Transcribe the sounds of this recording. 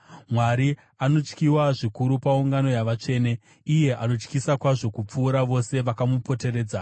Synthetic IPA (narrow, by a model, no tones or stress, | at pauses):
mwaɾi | ano̞t͡ʃkiwaʐikuɾupauŋɡano̞jaʋat͡ʂe̞ːne̞ | ije̞ʔano̞t͡ʃkisakwaʐo̞kup͡fuːɾaʋo̞se̞ʋakamupo̞te̞ɾe̞ːd͡za